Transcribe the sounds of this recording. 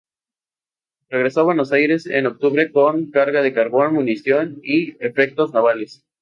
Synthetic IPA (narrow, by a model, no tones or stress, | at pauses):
reɣ̞ɾe̞so̞βwe̞no̞sajɾe̞sḛno̞k̚t̪uβɾe̞koŋkaɾɣaðe̞kaɾβo̞nmũnisjo̞niefek̚t̪o̞znaβale̞s